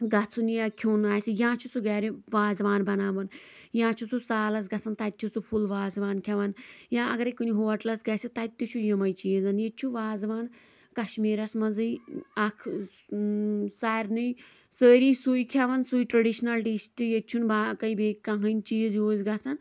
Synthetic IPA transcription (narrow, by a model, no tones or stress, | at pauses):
ɡɐt͡sʰunjakʲʰuːnaːjsɨjãːt͡ʃʰut͡suɡaːɾiʋaːzʋaːnbɐnaːʋɐn | jãːt͡ʃʰut͡susaːlɐsɡɐt͡sʰɐnt̪ɐt̪̚ʲt͡ʃʰut͡supʰulʋaːzʋaːnkʲʰɐʋɐnjãːɐɡɐɾekunʲiɦoːɐʈlɐsɡɐjsɨt̪ɐt̪ːut͡ʃʰujɐmɐjt͡ʃiːzɐnjet͡ʃʰuʋaːzʋaːn | kɐʃmiːɾɐsmɐzɨjɐkʰ | saːɾnɨj | səːɾiːsujkʲʰɐʋɐnsujʈɾɐɖiʃnɐlɖistʲijet͡ʃʰunbaːkɐibeːkːaɦɐnʲt͡ʃiːzjoːzɡɐt͡sʰɐn